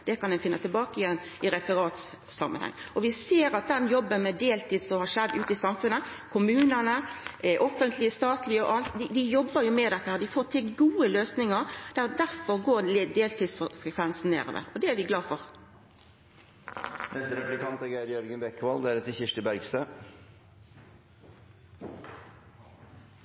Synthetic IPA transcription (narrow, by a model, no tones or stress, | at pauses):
d̪̥ɛkɑnɛnfɪnːət̪ɪlbɑːkəɪjɛnː | ɪɾɛfəɾɑːt̪ | sɑ̰mːʔə̰nhɛ̰ŋːɔʋɪseːɾɑt̪̚d̪ɛnjɔbːənmɛd̪eːlt̪ʰiːd̪sɔmhɑʂɛd̪ːʉ̰ːt̪ɪsɑmfʉnːəkʰʊmʉːnənəʔɔfənt̪ʰlɪəst̪ɑːt̪ʰlɪəɔʔɑlt̪d̪ɪd̪ɪjɔbːəɾjʊmɛd̪ɛt̪ːəhæːʁd̪ɪfoːt̪ʰɪlɡuːəløːsnɪŋəɾd̪̥æd̪æɾfɔʁɡoːd̪eːlt̪iːd̪sfʁɛkʰʋɛnsn̩nḛːɾo̰ːʋə̰ɔd̪ɛæɾʋɪɡlɑːfɔɾ | nɛst̪əɾɛplɪkɑnt̪ɛɡæɾjœɾɡənbɛkːʋɑld̪ɛæːɾɛt̪ːɪçɪʂʈəbæɾɡst̪øː